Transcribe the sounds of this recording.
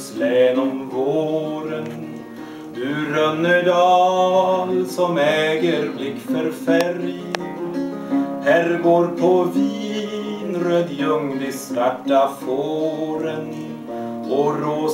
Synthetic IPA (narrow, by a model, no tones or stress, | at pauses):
slɛːnɔmvoːɾən | d̪ʉɾœnːəɖɑːlsɔmɛːɡəɾblɪkːfœɾfæɾjəɾ | hæːɾɡoːɾpʰɔviːnɾøːd̪jɵŋlɪstaʈːafoːɾən | ɔɾoː